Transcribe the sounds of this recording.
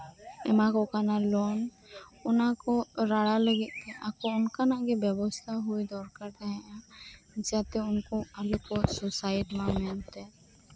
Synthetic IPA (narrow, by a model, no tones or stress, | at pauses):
ɛ̰mãkokanaloːn | ʊnãkoɾaɽaləɡeʔkeʔakoʊnkanaɡebjəbɔst̪ʰaɦoid̪ɔːɾkəɾd̪ɛɦãd͡ʒaːt̪eʊnkoaləkososaːɪʈimãmɪnt̪e